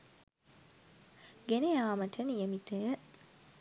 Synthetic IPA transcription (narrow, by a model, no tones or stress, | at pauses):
ɡenejaːmɐʈʰənjemit̪əjə